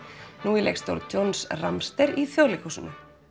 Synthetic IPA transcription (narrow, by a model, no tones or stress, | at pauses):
nuːilḛkst̪o̰ɾðt͡ɕownsramst̪ɛɾiθjowlɪkusʏnʏ